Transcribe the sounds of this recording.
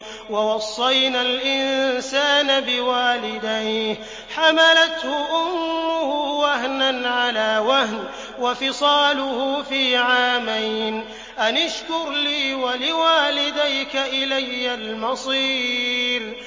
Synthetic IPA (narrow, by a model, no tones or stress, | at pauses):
wawɑsˤːɑjnalʔɪnsaːnabɪwaːlɪd̪aj | ħamalat̪hʊʔʊmːʊhʊwaɦnanʕalaːwahn | wafɪsˤɑːlʊhʊfiːʕaːmajn | ʔanaʃkʊɾliːwalɪwaːlɪd̪ajkaʔɪlajːalmɑsˤiːɾ